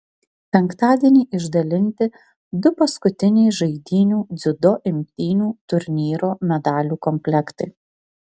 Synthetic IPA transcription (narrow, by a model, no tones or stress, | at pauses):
pʲɛŋkt̪ɑːd̪ʲiɛnʲɛːʔɪʒd̪ɐlʲɪnʲt̪ʲɪ | d̪ʊpɐskʊt̪ʲɪnʲɛɪʒɐɪd̪ʲiːnʲuːd̪zʲʊd̪ɔʔɪmʲt̪ʲiːnʲuːt̪ʊɾʲnʲiːɾoːmʲɛd̪ɑːlʲuːkɔmʲpʲlʲɛkt̪ɐɪ